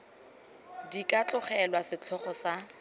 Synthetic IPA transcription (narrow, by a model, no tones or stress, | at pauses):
dikʼat͡ɬʼʊχɛlwasɪt͡ɬʰɔχɔsa